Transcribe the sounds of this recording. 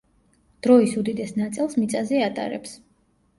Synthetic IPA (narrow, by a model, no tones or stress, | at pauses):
d̪̥ɾɔisud̪id̪ɛsnat̪sʼilˠsmit̪sʼazɛat̪ʼa̰ɾɛ̰ps